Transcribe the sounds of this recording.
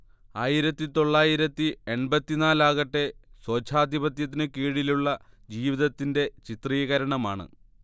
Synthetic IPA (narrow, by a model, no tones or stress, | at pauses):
aːjiɾɐt̪ːit̪o̞ɭːaːjiɾɐt̪ːienbɐt̪ːinaːlaːɣɐʈːe̞so̞ːt͡ɕʰaːd̪ʱibɐt̪jɐt̪̬ːinɨkiːɽiluɭːɐ | d͡ʑiːʋiðɐt̪ːinde̞t͡ɕit̪rijɐɣɐɾɐɳɐma̰ːɳɨ̰